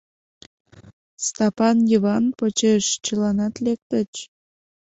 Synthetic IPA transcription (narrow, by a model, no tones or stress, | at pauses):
st̪ɑpɑnjəβɑnpot͡ɕeʃt͡ɕəlɑnɑt̪lek̚t̪ət͡ɕ